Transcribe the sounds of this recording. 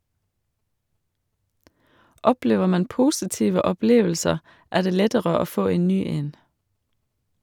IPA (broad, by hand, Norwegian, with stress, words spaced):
ˈɔpleːʋə ˈmɑn ˈpʊsɪtiːʋə ɔˈpleːʋəlsəʁ ˈæː ˈdeː ˈlɛtəɾə ˈoː ˈfoː ˈeːn ˈnyː ˈeːn